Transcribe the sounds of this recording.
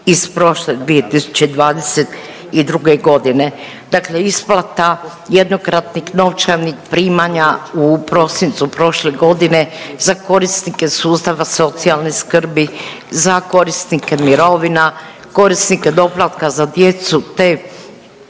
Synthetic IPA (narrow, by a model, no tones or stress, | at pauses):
ispɾo̞ʃled̪ʋie̞t̪isu̥t͡ɕed̪ʋaːd̪e̞set̪ | id̪ɾuɡe̞ɡo̞d̪ine̞ | d̪akleisplat̪a | jed̪no̞kɾat̪nixno̞ʋt͡ʃaʋnixpɾiːmaɲaupɾo̞sint̪supɾo̞ʃle̞ɡo̞d̪ine̞zako̞ɾisnike̞suːst̪aʋaso̞t̪sialˠniskrbi | zako̞ɾisnike̞miɾo̞ʋina | ko̞ɾisniked̪o̞plˠat̪kazad̪je̞t̪sut̪e